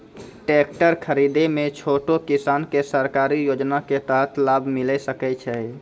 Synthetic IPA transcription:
ʈek̚ʈəɾkʰəɾid̪emet͡ʃʰoʈokisankesəɾkaɾijod͡ʒnaket̪əɦət̪ʰlabʱmilɛsəkɛt͡ʃʰɛ

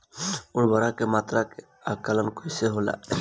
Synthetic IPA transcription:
ʊnbaɾakemat̪ɾake | akalənkoseɦola̰

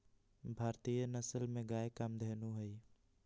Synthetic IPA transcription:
bʱaːɾt̪ijənəsəlmẽɡaekəmd̪ʱeːnuɦəj

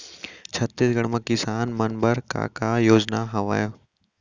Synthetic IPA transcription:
t͡ʃʰɐt̪ːisɡɐɽməkisaːnmɐnbəɾka̰kajoːd͡ʒnaɦɐʋa̰ːjoː

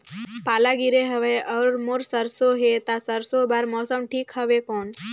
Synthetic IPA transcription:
palaɡiɾeɦəʋeʔəɾmoɾsəɾsoɦet̪asəɾsobaɾmɔsəmʈʰiːkɦəʋekoːn

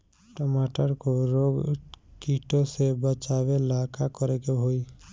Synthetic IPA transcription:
ʈɔmaʈəɾkoɾoɡkiʈosebət͡ʃabelakakɔɾekeɦoi

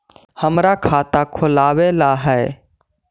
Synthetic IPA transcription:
həmɾakʰaːt̪akʰʊlaːweːlaɦɛː

